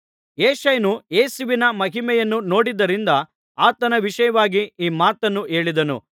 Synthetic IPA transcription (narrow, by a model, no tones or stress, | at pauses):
eːʃɐjɐnueːsuʋinɐmɐɦimɛjɐnːuno̞ːɽid̪ːɐɾind̪ɐ | aːt̪ɐnɐʋiʃɐjɐʋaːɡiiːmaːt̪ɐnːue̞ːɭid̪ɐnṵ